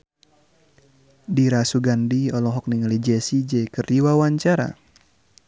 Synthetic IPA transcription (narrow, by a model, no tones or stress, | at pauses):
diɾasuɡandiɔlɔɦɔk̚niŋalid͡ʒɛsid͡ʒɛjkərdiwawaɲt͡ʃaɾa̰